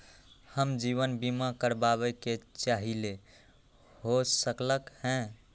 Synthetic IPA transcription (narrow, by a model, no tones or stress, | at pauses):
həmd͡ʒiβənbimakəɾbaβɛket͡ʃaɦile | hosəkləkhɛ̃